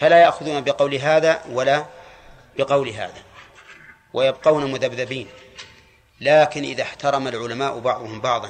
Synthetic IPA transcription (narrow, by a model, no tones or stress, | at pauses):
falajaʔxʊðuːnabɪqɑwlɦaːðawala | b̥ɪqɑwlɦa̰ːða | wʔajabqɑwnamʊðabðabiːn | laːkɪnʔɪ̰ðaħt̪ɑɾˤɑmalʕʊlamaːʔbɑʕðˤʊhʊmbɑʕðˤɑ